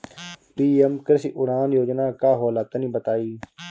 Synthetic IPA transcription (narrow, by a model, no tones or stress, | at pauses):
piːemkəɾsiʔʊɾaːnjoːd͡ʒnaːkaːɦoːlat̪nĩːbət̪aːiː